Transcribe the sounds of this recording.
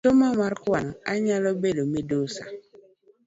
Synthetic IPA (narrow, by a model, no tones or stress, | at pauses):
tomamaɾkaŋa̰ɲalɔbedomedosa̰